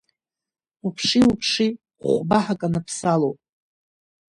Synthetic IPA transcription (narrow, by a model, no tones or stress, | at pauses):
upʰʂiupʰʂi | χʷbaħakʼanapʰsalowpʼ